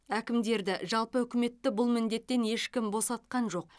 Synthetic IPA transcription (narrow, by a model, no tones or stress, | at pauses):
ækʲɪmd̪e̞ɾd̪ɪʒɑlˠpəɵkʲɪme̞t̪ːɪbʊlˠmɪnd̪e̞t̪ːe̞nje̞ʃkʲɪmbo̞sɑt̪̚qɑnʒo̞q̚